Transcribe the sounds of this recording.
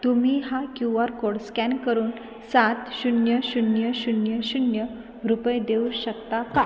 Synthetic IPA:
t̪um̤iːɦakjuʋəɾkoɽskɛnkəɾuːn | sat̪ɕunjəɕunjəɕunjəɕunjə | ɾupəjd̪euɕək̚t̪aka

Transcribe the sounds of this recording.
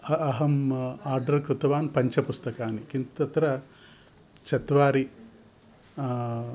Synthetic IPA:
ɐɐɦɐmaːɾɖɐɾkɾut̪ɐʋaːnpɐɲt͡ʃɐpust̪ɐkaːnikint̪ɐt̪ɾɐ | t͡ʃɐt̪ʋaːɾi

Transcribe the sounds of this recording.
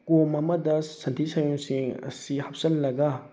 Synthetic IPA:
komɐmɐdɐsɐntʰisɐjuŋsiŋɐ̰sihɐp̚sɐlːɐɡɐ

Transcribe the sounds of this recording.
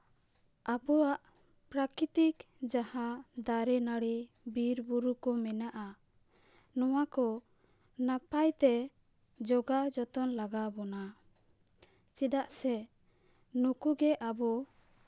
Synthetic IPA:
abɔwaʔ | pɾakɾit̪ik | d͡ʒahad̪aɾɛnaɽi | biɾbuɾukɔmɛnaʔa | nɔwakɔ | napajt̪ɛ | d͡ʒɔɡad͡ʒɔt̪ɔnlaɡabɔna | t͡ʃid̪aʔsɛ | nukuɡɛʔabɔ

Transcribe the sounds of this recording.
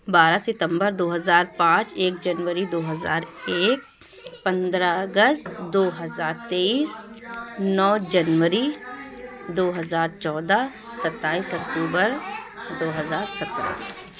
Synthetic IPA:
baːɾasɪt̪ə̃mbəɾd̪oːɦəzaːɾpãːt͡ʃeːk̚d͡ʒɐnʋəɾid̪oːɦəza̰ːɾeːk̚ | pɐ̃nd̪ɾaəɡəst̪d̪oːɦəzaːɾt̪eːiːs | nɔːd͡ʒɐnʋəɾi | d̪oːɦɐzaːɾt͡ʃɔːd̪a | sɐt̪ːaːiːsɐk̚t̪uːbəɾd̪oːɦɐzaːɾsɐt̪ɾa̰

